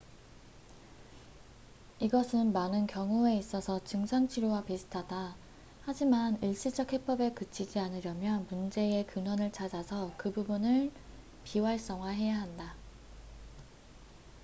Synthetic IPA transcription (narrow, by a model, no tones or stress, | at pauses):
iɡʌsʰɯnmanɯnkjʌŋue̞is͈ʌsʰʌt͡ɕɯŋsʰaŋt͡ɕʰiɾjowapisʰɯ̥tʰada | had͡ʑimaniɭɕ͈id͡ʑʌk̚he̞p͈ʌbe̞kɯt͡ɕʰid͡ʑianɯɾjʌmjʌmund͡ʑe̞ekɯnwʌnɯɭt͡ɕʰad͡ʑasʰʌkɯbubunɯɭ | piwaɭs͈ʌŋwaɦe̞jaɦanda